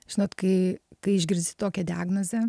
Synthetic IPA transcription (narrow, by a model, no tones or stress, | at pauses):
ʒʲɪnoːt̪kɐɪkɐɪɪʒʲɡʲɪɾʲzʲd̪ʲɪ̥t̪oːkʲɛd̪ʲɪaːɡnoːzʲɛ